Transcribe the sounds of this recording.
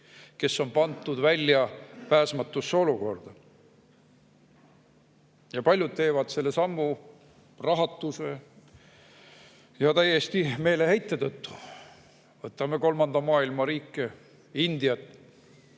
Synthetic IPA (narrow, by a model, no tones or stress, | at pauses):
ke̞sːo̞npɑnt̪ˑːud̪vælʲːjɑpæːsmɑt̪ːˑusːeo̞luko̞rd̪̥ɑ | jɑpɑlʲjud̪̚t̪e̞ːvɑd̪̥se̞lːe̞sɑmːu | rɑɦɑt̪ːˑuse̞ | jɑt̪æje̞st̪ime̞ːle̞hejt̪ˑːet̪ɤt̪ːu̥ | vɤt̪ːˑɑme̞ko̞lmɑnd̪̥ɑmɑːilmɑɾiːkːe | ind̪̥ijɑt̪ːˑ